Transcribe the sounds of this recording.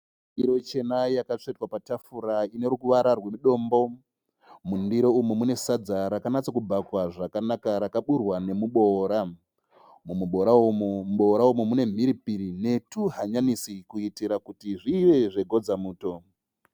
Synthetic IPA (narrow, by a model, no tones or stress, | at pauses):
iɾo̞t͡ʃe̞najakat͡ʂetwapatafuɾaine̞ɾukuʋaɾarwe̞muɗo̞ːmbo̞ | mundiɾoumumune̞sad͡zaɾakanat͡sakubʱakwaʐakanakaɾakaɓurwane̞muɓo̞ɾa | mumuɓo̞ɾaommuɓo̞ɾaumumune̞m̤iɾipiɾine̞tuɦaɲanisikuitiɾakutiʐiʋe̞ʐe̞ɡʱo̞d͡zamuːto̞